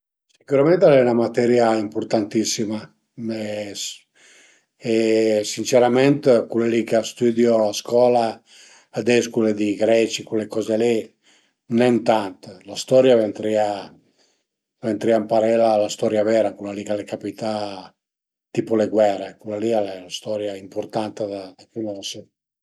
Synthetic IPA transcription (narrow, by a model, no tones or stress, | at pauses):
sikuɾamɛnt̪alɛunamat̪ɛɾjaimpoɾt̪ant̪isːima | me | esint͡ʃɛɾamɛnt̪kulalikast̪yd̪jolaskwɔlaː | d̪ɛskuled̪iɡɾɛt͡ʃikulekɔzeli | nɛnt̪ant̪last̪ɔɾjavent̪ɾia | vent̪ɾiampaɾɛlalast̪ɔɾjavɛɾakulalikalekapit̪a | t̪ipoleɡwɛɾekulalialɛlast̪ɔɾjaimpoɾt̪ant̪ed̪ad̪akunɔse